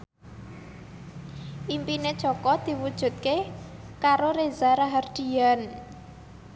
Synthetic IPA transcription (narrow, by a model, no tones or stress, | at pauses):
ʔimpined̥ʒ̥ɔkɔd̪̥i̤wud̥ʒ̥ṳt̪̚ke | kaɾoɾezaɾaɦard̥ian